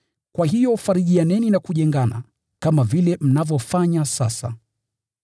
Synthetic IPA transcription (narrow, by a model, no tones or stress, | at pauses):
kwaɦijɔfaɾiʄianɛninakuʄɛŋɡana̰ | kamavilɛm̩navjɔfaɲasasa̰